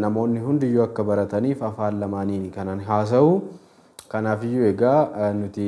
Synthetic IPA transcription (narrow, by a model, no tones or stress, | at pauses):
nɐmo̞ːnːɪɦʊnd̪ɪjːɔːɐkːɐbɐɾɐt̪ɐniːfɐfaːlːɐmaːniːnkɐnɐnɦaːs̬ɐʔuː | kɐnaːfɪjːuɛɡaːnʊt̪ɪ